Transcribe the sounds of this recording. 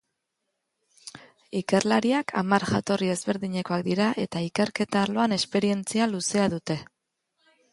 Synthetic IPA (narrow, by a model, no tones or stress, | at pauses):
ike̞rlaɾiakʰa̰maɾʝat̪o̞rie̞zβe̞ɾðiɲe̞ko̞ak̚d̪iɾaʔe̞t̪aike̞ɾke̞t̪aːlo̞ane̞spe̞ɾie̞nt͡sialuse̞aðut̪e̞